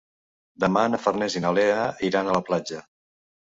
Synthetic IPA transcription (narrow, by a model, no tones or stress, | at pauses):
d̪əmanəfərnɛzinəlɛəiɾanələplad͡ʒə